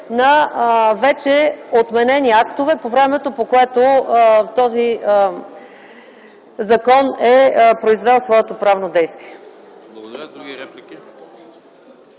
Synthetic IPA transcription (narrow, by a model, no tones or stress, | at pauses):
nɐvɛt͡ʃɛot̪mɛnɛniakt̪ovɛpovɾɛmɛt̪opokoɛt̪ot̪ɔzi | zɐkɔnɛpɾoizvɛlˠsvɔɛt̪opɾavnod̪ɛjst̪viɛ